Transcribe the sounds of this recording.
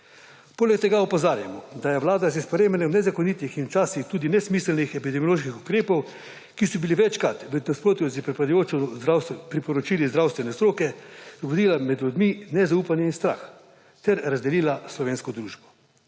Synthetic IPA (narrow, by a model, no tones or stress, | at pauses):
poːlɛkt̪ɛɡaɔpɔzaːɾja̰mɔd̪ajɛʋlaːd̪azispɔɾeːmɛnɛwnɛzakoniːt̪ixint͡ʃaːsixt̪uːd̪inɛsmiːslnixɛpid̪ɛmijoloːʃkixukɾeːpɔw | kisɔbiliʋɛt͡ʃkat̪ʋəd̪naspɾoːt̪juzpɾad̪ujot͡ʃɔawspɾipɔɾɔt͡ʃiːlizd̪ɾawst̪ʋɛnɛst̪ɾoːkɛzɡɔd̪iːlamɛd̪lud̪minɛzauːpanjɛinst̪ɾa̰x | t̪ɛɾɾazd̪ɛliːlaslɔʋeːnskɔd̪ɾuːʒbɔ